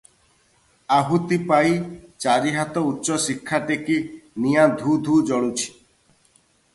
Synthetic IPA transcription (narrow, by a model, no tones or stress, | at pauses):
aɦut̪ipajt͡ʃaɾiɦat̪ɔutːʃɔsikʰːaʈekinijad̪ʱud̪ʱud͡ʒɔɽ̃ut͡ʃʰi̥